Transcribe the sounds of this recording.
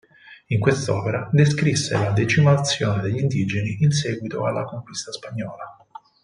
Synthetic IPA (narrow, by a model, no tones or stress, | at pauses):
iŋkwest̪ɔːpeɾad̪eskɾisːḛlad̪ɛt͡ʃimat̪sːjoːned̪eʎːind̪id͡ʒeniins̬ɛːɡwit̪oalːakoŋkwist̪aspaɲːɔːla